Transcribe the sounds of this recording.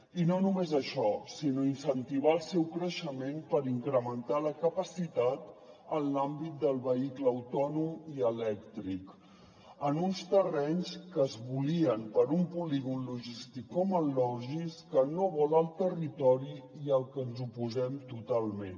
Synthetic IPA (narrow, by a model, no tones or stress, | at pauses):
inonumezəʃɔsinoinsənt̪iβ̞aəlˠsɛwkɾəʃəmempəɾiŋkɾəmənt̪aləkəpəsit̪at̪ | ənlambit̪̚d̪əlˠβəikləəwt̪ɔnumiəlɛkt̪ɾik | ənunst̪ərɛɲskəːzβuliəmpəɾumpuliɣunluʒist̪ikːɔməlːɔʒiskənoβɔləlˠt̪ərit̪ɔɾiiəlˠkənzupuzɛmt̪ut̪alˠmen